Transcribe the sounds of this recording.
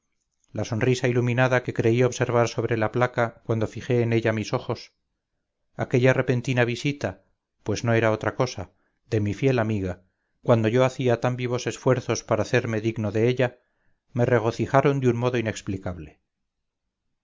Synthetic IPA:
laso̞nrisailumĩnaðake̞kɾe̞io̞βse̞ɾβ̞aɾso̞β̞ɾe̞laplakakwand̪o̞fixe̞ːne̞ʎamiso̞xo̞s | ake̞ʎare̞pe̞nt̪inaβ̞isit̪a | pwe̞zno̞e̞ɾao̞t̪ɾako̞sa | ðe̞mifje̞lamiɣ̞a | kwand̪o̞ʝo̞aθiat̪ambiβ̞o̞se̞sfwe̞ɾθo̞spaɾaːθe̞ɾme̞ðiɣno̞ðe̞eʎa | mere̞ɣ̞o̞θixaɾo̞nd̪jummoðo̞ine̞ksplikaβle̞

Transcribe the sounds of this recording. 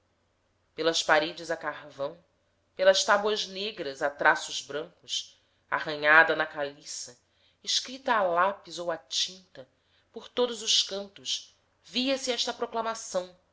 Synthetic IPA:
pelɐspaɾed͡ʒɪzɐkaɾvɐ̃w̃ | pelɐʃt̪abwɐzneɡɾɐzat̪ɾasʊzbɾɐ̃ŋkʊs | a̰hɐ̃ɲad̪ɐnɐkalisɐ | eʃkɾit̪ɐːlapizowat͡ʃĩnt̪ɐ | poɾt̪od̪ʊzʊʃkɐ̃nt̪ʊʃ | viɐsiɛʃt̪ɐpɾoklamasɐ̃w̃

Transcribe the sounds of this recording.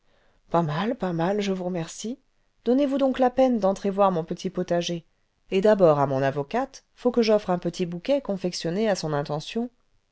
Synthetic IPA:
pamalpamalʒəvuʁəmɛʁsi | d̪̥ɔnevud̪ɔ̃klapɛnd̪ɑ̃t̪χevwaʁmɔ̃pət̪ʰipɔt̪aʒe | ed̪abɔʁamɔ̃navɔkat̪ | fokəʒɔfχɛ̃pət̪ʰibukʲɛkɔ̃fɛksjɔneasɔ̃nɛ̃t̪ɑ̃sjɔ̃

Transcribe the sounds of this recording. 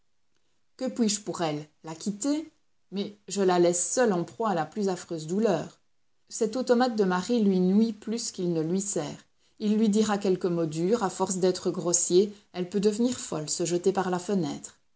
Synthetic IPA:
kəpɥiʒpuʁɛlːakʰʲit̪e | mɛʒəlalɛsːœlɑ̃pχwaːlaplyzafχøːzd̪ulœːʁ | sɛt̪ot̪ɔmat̪̚d̪əmaʁilɥinwiplyskʲilnəlɥisɛ̰ːʁ | ilːɥid̪iʁakʲɛlkəmɔd̪yʁafɔʁsd̪ɛt̪χəɡʁosje | ɛlpød̪əvniːʁfɔlsəʒət̪epaʁlafənɛːt̪χ

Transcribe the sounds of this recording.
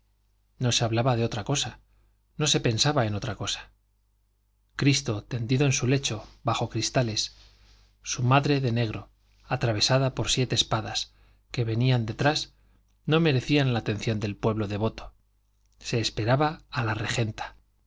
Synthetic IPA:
no̞seaβlaβaðeo̞t̪ɾako̞sa | no̞se̞pe̞nsaβae̞no̞t̪ɾako̞sḁ | kɾist̪o̞t̪e̞nd̪iðo̞ensule̞t͡ʃo̞βaxo̞kɾist̪ale̞sː | umaðɾe̞ðe̞ne̞ɣ̞ɾo̞ | at̪ɾaβe̞saðapo̞ɾsje̞t̪e̞ːspaðas | ke̞βe̞niand̪e̞t̪ɾas | no̞me̞ɾe̞θianlaːt̪e̞nθjo̞nd̪e̞lpwe̞βlo̞ðe̞β̞o̞t̪o̥ | se̞ːspe̞ɾaβaːlare̞xe̞nt̪ḁ

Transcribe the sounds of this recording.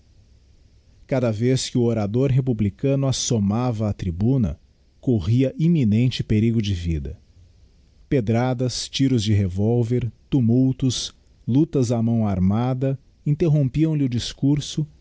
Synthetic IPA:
kad̪ɐveskɪʊoɾad̪oɾɦepublikɐ̃nʊasomavɐːt̪ɾibũnɐ̰ | koʁiɐʔiminẽnt͡ʃɪpeɾiɡʊd͡ʒɪvḭd̪ɐ | ped̪ɾad̪ɐst͡ʃiɾʊzd͡ʒɪɦevowveɾt̪umuwt̪ʊs | lut̪ɐzamɐ̃w̃aɾmad̪ɐ | ĩnt̪eɦõpiɐ̃w̃lɪʊd͡ʒiskuɾsʊ

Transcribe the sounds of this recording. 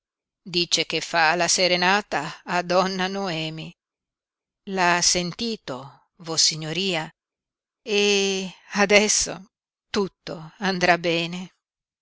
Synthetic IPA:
d̪iːt͡ʃek̟efːalaseɾenaːt̪aːd̪ɔnːanoɛːmi | lasent̪iːt̪o | vosiɲːoɾiːa | e | ad̪ɛsːo̰ | t̪ut̪ːoand̪ɾabːɛːne

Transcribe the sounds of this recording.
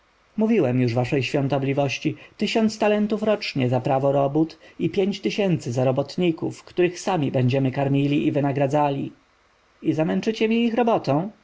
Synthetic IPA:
muvʲiwɛmjuʐvaʂɛjɕfʲjɔ̃nt̪ɔblʲivɔɕt͡ɕit̪ɘɕɔnt̪st̪alɛnt̪ufɾɔt͡ʂɲɛzapɾavɔɾɔbut̪ipʲjeɲt͡ɕt̪ɘɕɛnt̪sɘzaɾɔbɔt̪ɲikufkt̪uɾɘxsamʲibɛɲd͡ʑɛmɘkaɾmʲilʲiʔivɘnaɡɾad̪zalʲi | izamɛnt͡ʂɘt͡ɕɛmʲiixɾɔbɔt̪ɔ̃w̃

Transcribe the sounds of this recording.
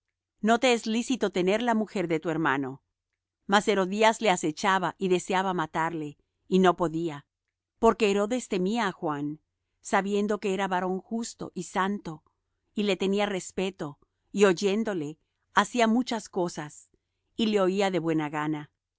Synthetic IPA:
no̞t̪e̞ezlisit̪o̞t̪e̞ne̞ɾlamuxe̞ɾðe̞t̪ue̞ɾma̰no̞ | mase̞ɾo̞ðiazle̞ase̞t͡ʃaβaʔiðe̞seaβamat̪aɾle̞ | ino̞po̞ðia | po̞ɾke̞ːɾo̞ðe̞st̪e̞miaːxwan | saβje̞nd̪o̞ke̞eɾaβaɾo̞ŋxust̪o̰ʔisant̪o̞ | ile̞t̪e̞niare̞spe̞t̪o̞ | io̞ʝe̞nd̪o̞le̞ | asiamut͡ʃasko̞sas | ile̞o̞iaðe̞βwe̞naɣana

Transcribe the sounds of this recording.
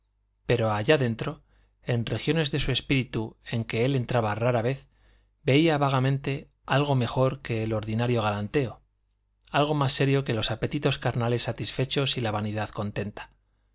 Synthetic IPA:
pe̞ɾo̞aʝaðe̞nt̪ɾo̞ | e̞nre̞xjo̞ne̞zðe̞sue̞spiɾit̪ue̞ŋke̞e̞lent̪ɾaβaraɾaβe̞θ | be̞iaβaɣ̞amẽ̞nt̪e̞ | alɣ̞o̞me̞xo̞ɾke̞ːlo̞ɾðinaɾjo̞ɣ̞alant̪e̞o̞ | alɣo̞masːe̞ɾjo̞ke̞lo̞sape̞t̪it̪o̞skaɾnale̞sːat̪isfe̞t͡ʃo̞silaβaniðaðko̞nt̪ẽ̞nt̪ḁ

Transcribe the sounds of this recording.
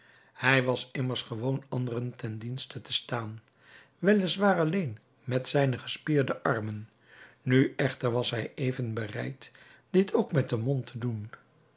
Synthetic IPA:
hɛjʋɑsɪməɹsχəʋownɑndərəntɛndinstətəstaːn | ʋɛlɪsʋaːɹɑlejn | mɛtsɛjnəχəspɪːɹdəʔɑɹmənː | yʔɛχtəɹʋɑsɦɛjʔejvənbərɛ̰jt | d̥ɪtʰowkmɛt̚dəmɔntʰədun

